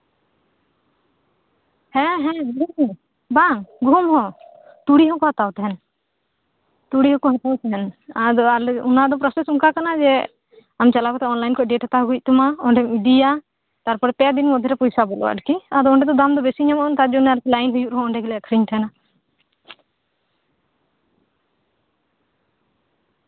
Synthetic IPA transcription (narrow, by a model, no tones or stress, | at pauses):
hɛ̃ɦɛ̃ɡu | baŋɡumhɔ̃ | t̪uɽiɦɔkɔhat̪awt̪ɛɦɛn | t̪uɽiɦɔkɔɦat̪awt̪ɛɦɛnad̪ɔalunad̪ɔpɾɔsɛsuŋkakanad͡ʒɛ | amt͡ʃalakɔt̪ɛɔnlajnkɔʔɖɛʈat̪aɦɡuc̚t̪ɔmaɔɳɖɛmid̪ija | t̪aɾpɔɾɛp̪ɛd̪inmɔd̪ʱɛɾɛpɔjsabɔlɔ̰wa̰ʈkiad̪ɔɔɳɖɛt̪ɔd̪amd̪ɔbɛsiɲamɔɔnt̪ad͡ʒɔnɛaɾkɛlajnɦujuʔɾɦɔ̃ɔɳɖɛɡɛlɛakʰɾiɲt̪ʰɦɛna